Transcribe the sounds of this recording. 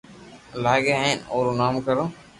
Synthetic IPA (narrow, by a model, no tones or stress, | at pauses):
laːɡeːɦẽnoːɾoːnaːmkəɾõː